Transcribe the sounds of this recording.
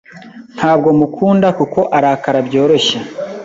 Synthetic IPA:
n̥haːb̚ɡo̞mukʰuːndakuko̞ʔaɾakaɾabɟo̞ːɾo̞ɕa

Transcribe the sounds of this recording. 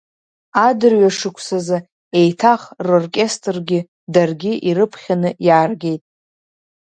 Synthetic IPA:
adɨrɥaʂɨkʷʰsazɨ | e̞jtʰaχrorkʲʼestʼrɡʲɪ | darɡʲɪʔiɾɨpʰχʲanɨjaːrɡʲe̞jtʼ

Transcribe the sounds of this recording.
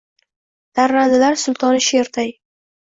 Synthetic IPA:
d̪̥aɾːand̪ɪlaɾsʊlˠt̪ʰɒnʃeɾt̪ʰaj

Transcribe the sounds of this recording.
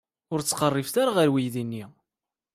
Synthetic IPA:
ʊɾt͡sːqərˤːifθaɾaʁəɾwijðinːi

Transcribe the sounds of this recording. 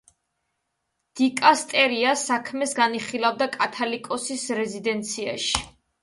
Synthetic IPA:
d̪̥ikʼast̪ʼɛɾiasakʰmɛsɡaniχilavd̪akʼat̪ʰalikʼɔsisɾɛzid̪ɛnt̪sʰia̰ʃi̥

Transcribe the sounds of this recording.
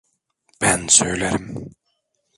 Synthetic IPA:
b̥ænsøjlʲeɾim

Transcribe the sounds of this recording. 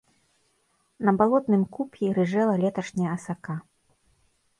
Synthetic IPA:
nɐbalˠɔt̪nɨmkupʲjʲiɾɨʐɛlˠɐlʲɛt̪ɐʂnʲɛjɐɐsaka

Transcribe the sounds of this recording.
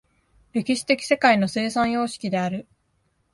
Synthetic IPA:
ɾe̞kʲiɕi̥t̪e̞kʲi̥se̞kaino̞se̞ːsãɰ̃jo̞ːɕi̥kʲid̪e̞aɾɯ̟

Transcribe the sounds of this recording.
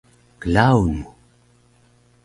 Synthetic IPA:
kəlawnu

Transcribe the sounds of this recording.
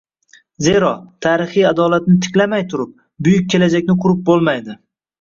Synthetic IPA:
zeɾɒt̪ʰaːɾɪχijad̪ɒlat̪̚nɪt̪ʰɪ̥kʲlamajt̪ʰʊɾʊp̚ | bʊjʊk̚ʲʰːe̞lad͡ʒakʲnɪqʰʊɾɪp̚bolˠmajd̪ɪ

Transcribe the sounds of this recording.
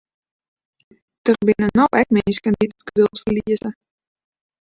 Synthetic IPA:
d̥ərbɪnənɔwɛkmɪnskɛnditətɡ̥ədølˠtfərliəzə

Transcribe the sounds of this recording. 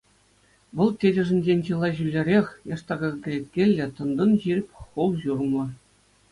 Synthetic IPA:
ʋɤ̆lˠtʲedʲɘ̆ʐɘ̆nʲd͡ʑenʲʑɯlˠːɑʑylʲːeɾʲexʲjɑʂt̪ɑɡɑɡʲɘ̆lʲet̪ʲkʲelʲːɘ̆t̪ɤ̆nd̪ɤ̆nʑirʲɘ̆pʲχulˠʑurmɤ̆

